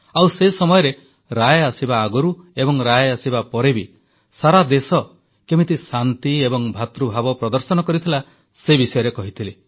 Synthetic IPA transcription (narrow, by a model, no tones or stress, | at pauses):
awsesɔmɔjɔɾe | ɾajasibaːɡɔɾuebɔŋɾajasibapɔɾebi | saɾad̪esɔ | kemit̪isant̪iebɔŋbʱat̪ɾubʱabɔpɾɔd̪ɔɾsɔnɔkɔɾit̪ʰila | sebisɔjɔɾekɔɦit̪ʰile